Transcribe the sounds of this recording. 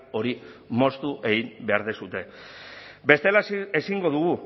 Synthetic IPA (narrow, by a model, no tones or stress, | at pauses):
o̞ɾimo̞st̪uʔe̞ɣimbe̞aɾðesut̪e̞ | be̞st̪e̞lae̞siŋɡo̞ðuɣu